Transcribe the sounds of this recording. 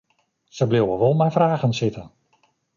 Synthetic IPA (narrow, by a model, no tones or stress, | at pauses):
səblɪwʋəʋɔlˠmaːɹvraːχənsɪtən